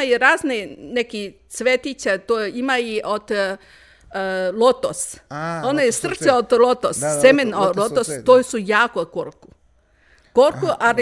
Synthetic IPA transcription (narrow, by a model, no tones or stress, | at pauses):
aiɾaːzneneki | sʋet̪it͡ɕat̪oimaiʔod̪ | lot̪osonajesr̩t̪seod̪lot̪ossemenolˠot̪ost̪oːjsujaːkokoɾku | koɾkuʔal